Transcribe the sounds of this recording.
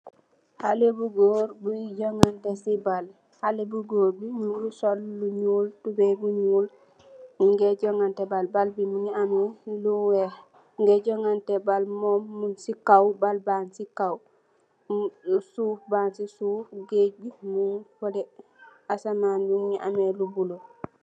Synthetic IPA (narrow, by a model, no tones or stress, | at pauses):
halebuɡoːɾbuɟoŋantesibal | halebuɡoːɾbiɲulusolːuɲuːltubebuɲuːl | ŋɡeɟoŋantebalbalbimuɲianweluwe | ŋɡeɟoŋantebalmomːunsikawbalbansikaw | suːfbaːnsisuːfɡebimufodɛ | asamaːnjumɲiʔa̰melubulo